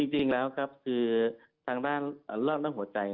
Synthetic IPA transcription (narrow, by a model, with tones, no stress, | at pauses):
t͡ɕi˧ŋt͡ɕi˧ŋlɛː˦˥wkʰa˦˥p̚kʰɯː˧ | t̪ʰaː˧ŋdaː˥˩nʔlɔː˥˩t̪̚naː˥˩hɦu˩˦ɐt͡ɕa˧j